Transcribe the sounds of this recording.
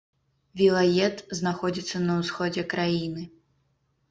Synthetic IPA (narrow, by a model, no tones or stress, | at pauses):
vʲilˠajʲɛt̪znaxɔd͡zʲit̪sːɐnɐwsxɔd͡zʲɛkɾajinɨ